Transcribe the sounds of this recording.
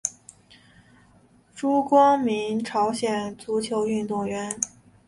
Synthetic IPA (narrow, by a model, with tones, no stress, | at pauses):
ʈ͡ʂu˥kwɑ˥ŋmi˧˥ŋʈ͡ʂʰɑ˧˥ʊɕjɛ˨˩nt͡su˧˥t͡ɕʰjo˧˥ʊy˥˧nt̪ʊ˥˩ŋɥɛ˧˥n